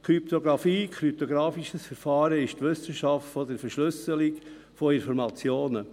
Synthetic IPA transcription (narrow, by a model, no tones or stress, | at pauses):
kʰɾypt̪oɡɾɑfiːkʰɾyp̚t̪oɡɾɑːfiʃəsfɛɾfɑːɾəɪʃtʋʏsəʃɑftfɔd̪əɾfəɾʃlʏsəlik | fɔɪnfɔɾmɑt͡sjoːnə